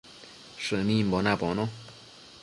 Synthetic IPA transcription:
ʂɨnĩmbonãbonõ

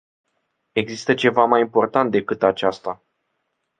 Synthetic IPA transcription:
e̞ɡzist̪ət͡ʃe̞vamajimpo̞rt̪ant̪̚d̪e̞kɨt̪at͡ʃast̪a

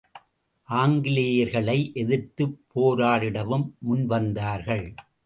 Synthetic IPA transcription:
ʔaːŋɡɪlɪjɐɾɣɐɭɐɪʔɛðɪɾt̪ɯpʰːoːɾaːɾɪɽɐʋɯmːʊnʋɐnd̪aːɾɣɐɭ

